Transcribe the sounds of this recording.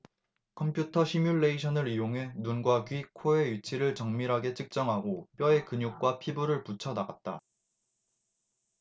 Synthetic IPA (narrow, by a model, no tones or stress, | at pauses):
kʰʌmpʰjutʰʌɕʰimjuɭːe̞iɕʰʌnɯɾijoŋɦe̞nunɡwakɥikʰoe̞jit͡ɕʰiɾɯɭt͡ɕʌŋmiɾɦaɡe̞t͡ɕʰɯk̚t͡ɕ͈ʌŋɦaɡop͈jʌe̞kɯɲuk̚k͈wapʰibuɾɯɭput͡ɕʰʌnaɡat̚t͈a